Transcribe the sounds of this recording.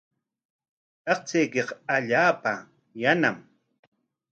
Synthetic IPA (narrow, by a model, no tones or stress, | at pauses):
ɑqt͡sejkeqaʎaːpa | janam